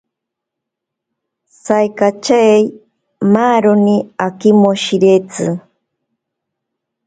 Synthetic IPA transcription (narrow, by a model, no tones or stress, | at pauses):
sajkat͡ʃaej | maːɾoniakimoʃiɾet͡sɨ